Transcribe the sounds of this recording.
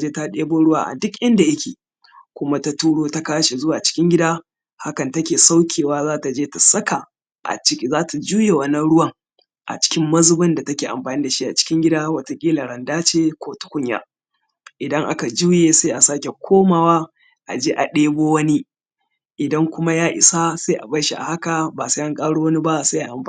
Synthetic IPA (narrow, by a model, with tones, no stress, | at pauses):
d͡ʒeː˦ta˦ɗeː˦boː˦ɽʊ˦waː˨ʔa̰˨dʊ˦kʔɪ˦nda˨ʔa˦kʲḛː˨ | kʷʊ˦ma˦ta˦tuː˦ɽoː˦ta˦kaː˦ʃe˨zʊ˦waː˨t͡ʃɪ̥˦kʲɪ˦ŋɡʲɪ˦daː˦ | ha˦kɐ˨ntɐ˦kʲeː˨sa˦wkʲʰeː˨waː˦zaː˦ta˨d͡ʒeː˦ta˨sɐ˦ka˨ | ʔa̰˨˦˨zaː˦tʰa˨d͡ʒuː˦je˨wɐ˦nːɐ˦nɽʊ˦wɐ˨ŋ | ʔa̰˨t͡ʃɪ̥˦kʲɪ˦mːɐ˦zʊ˦bɐ˦nda˨tɐ˦kʲeː˨ʔa̰˨mɸaː˨niː˦da˨ʃi˦ʔa̰˨t͡ʃɪ̥˦kʲɪ˦ŋɡʲɪ˦daː˦wɐ˦ta˨kʲʼiː˦la˨ɽɐ˨ndaː˦t͡ʃeː˦kʷoː˦tʊ̥˦kʷʊ˦ɲja̰˦ | ʔɪ˨dɐ˦ŋʔa̰˦ka˨d͡ʒuː˦jeː˨sa˦jʔa˨saː˦kʲe˨kʷʰoː˦maː˨waː˦ | ʔa̰˨d͡ʒeː˦ʔa˨ɗeː˦boː˦wɐ˦ni˦ | ʔɪ˨dɐ˦ŋkʷʊ˦ma˦jaː˦ʔɪ̰˨sa˦sa˦ʔa̰˨bɐ˦jʃi˨ʔa̰˨ha˦ka˨baː˨sa˦ʔa˦ŋkʼaː˦ɽu˦wɐ˦ni˦ba˦sa˦ʔa˨ʔa˨mɸa˨˦